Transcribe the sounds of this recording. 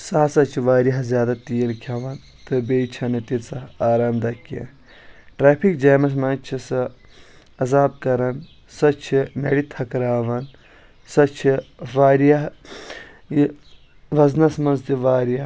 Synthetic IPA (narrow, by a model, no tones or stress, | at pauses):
sɐɦsɐt͡ʃʰiʋaːɾjɐɦzʲjaːd̪at̪iːɐlkʰjɐʋɐn | t̪ʰɨbeːt͡ʃʰɐnɨt̪it͡sɐaːɾaːmd̪ɐkːɐ̰ | ʈɾaːpʰikd͡ʒɐːmɐs̬mɐnt͡ʃʰisɐ | ɐzaːb̚kɐɾɐn | sɐt͡ʃʰinɐɽit̪ʰɐkɾaːʋɐn | sɐt͡ʃʰiʋaːɾjɐɦ | ʋɐznɐsmɐnzt̪iʋaːɾjɐ